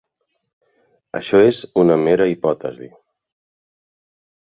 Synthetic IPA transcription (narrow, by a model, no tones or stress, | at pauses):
ə̰ʃɔezunəmeɾəipɔt̪əzi